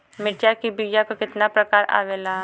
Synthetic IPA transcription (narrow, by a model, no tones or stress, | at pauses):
mɪʈjakibiɡjakokɪt̪napɾɐkaːɾa̰ːʋela